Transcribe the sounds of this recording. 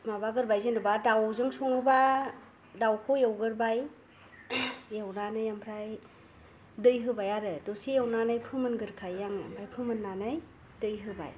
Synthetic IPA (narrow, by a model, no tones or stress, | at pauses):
maβaɡɯɾbajzɯndɯbadawzɯŋsɔŋɯba | dawkʰojawɡɯɾbaj | jawnanajampʰɾaj | dɯjɦɯbajaɾɯdɔsijawnanajpʰɯmɯnɡɯɾkʰajːaŋja̰mpʰɾajpʰɯmɯnːanaj | d̥ɯjɦɯba̰j